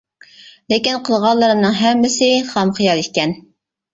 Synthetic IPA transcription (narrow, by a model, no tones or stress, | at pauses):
lekʲinqʰəlˠʁɑlˠːəɾɨmnɨŋɦɛmːɪsɪχɑmχijɑlˠit̪̚ʲkʲːɛn